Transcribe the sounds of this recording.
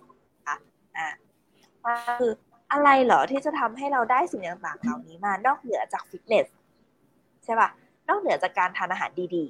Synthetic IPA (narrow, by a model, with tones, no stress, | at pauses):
kʰa˦˧˥ | ʔaː˧˩ | maː˧kʰɯː˧ | ʔa˧ɾa˧jlɔ˨˩˦t̪ʰiː˥˩t͡ɕa˨˩t̪ʰa˧mɦa˥˩jɾa˧wdaː˥˩jsi˨˦ŋjaː˧ŋpaː˨˩ŋʰa˨˧˩wniː˦˥maː˧nɔː˥˩k̚nɯ˩˦ɐt͡ɕaː˨˩k̚fi˦˥t̪̚ne˦˥s | t͡ɕʰa˦˥˩wa˧˩ | nɔː˥˩k̚nɯ˨˩˦ɐt͡ɕaː˨˩kːaː˧nt̪ʰaː˧nʔaː˧ɦa̰ː˩˦ndiː˧diː˧